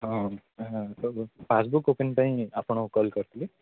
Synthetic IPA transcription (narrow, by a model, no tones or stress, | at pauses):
ɦɔ̃ | t̪opʰasbukopinpãĩapɳ̃ɔkɔlkʌɾt̪ʰili